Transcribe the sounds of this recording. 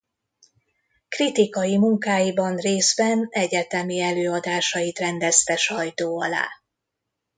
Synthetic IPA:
krit̪ikɒjimuŋkaːjibɒnreːzbɛnɛɟɛt̪ɛmiɛløːɒd̪aːʃɒjit̪rɛnd̪ɛst̪ɛʃɒjt̪oːɒla̰ː

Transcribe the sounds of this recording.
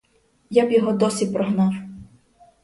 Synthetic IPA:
jabjɔɦɔd̪ɔsʲipɾɔɦnɑw

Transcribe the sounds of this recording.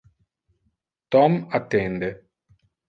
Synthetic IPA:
t̪ɔmɐt̪ːend̪e

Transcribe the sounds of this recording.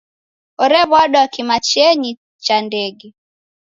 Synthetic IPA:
ɔɾɛβwaɗɔakimat͡ʃɛɲi | t͡ʃandɛɡɛ

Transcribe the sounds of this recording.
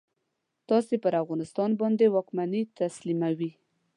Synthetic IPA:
t̪ɑsepəɾafɣɑnɪst̪ɑnbɑnd̪ewɑkmanit̪aslimawi

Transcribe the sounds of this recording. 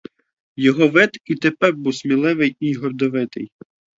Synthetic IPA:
jɔɦɔʋɪt̪it̪epɛrbuwsmʲilˠɪʋɪjiɦɔrd̪ɔʋɪt̪ɪ̰j

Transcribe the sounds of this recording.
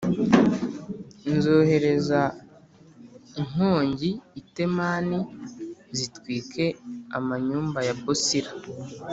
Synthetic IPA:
nzo̞ːhe̞ɾe̞za | iŋ̥oːɲɟiːte̞maːni | zitwiːkʰe̞amaɲuːmbajabosiɾa

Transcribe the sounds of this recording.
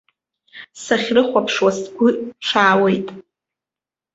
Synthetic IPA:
saχʲrɨχʷapʰʂwastʰɡʷʊʂʰaːwejtʼ

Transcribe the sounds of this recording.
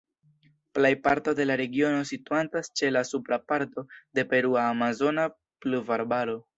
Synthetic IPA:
plejpaɾto̞de̞laɾe̞ɡio̞no̞situantast͡ʃe̞lasupɾapaɾto̞de̞pe̞ɾuaːmazo̞na | pluvaɾbaɾo̞

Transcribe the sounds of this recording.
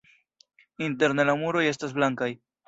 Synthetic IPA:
inte̞ɾne̞lamuɾo̞je̞stas̬blaŋkaj

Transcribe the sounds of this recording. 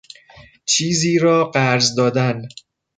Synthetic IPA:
t͡ʃʰiːziːɾɒːɢæɾzd̪ɒːd̪æn

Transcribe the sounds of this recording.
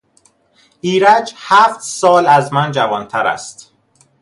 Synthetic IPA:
ʔiːɾæd͡ʒhæft̪sɒːlæzmænd͡ʒævɒːnt̪ʰæɾæ̰st̪

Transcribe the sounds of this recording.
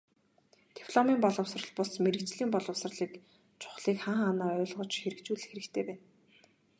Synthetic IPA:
t̪i̥pʰɮɔmiːmpɔɮɞ̆wsrə̆ɮpʊsmeɾɘ̆kt͡ɕɮiːmpɔɮɞ̆wsrɮiːk | t͡ɕʰʊ̥χɮiːkχaːɴχanaːœ̟ːɮʁɞ̆t͡ɕxeɾɘ̆kt͡ɕuːɮɘ̆xeɾɘ̆kt̪ʰeːpæːn

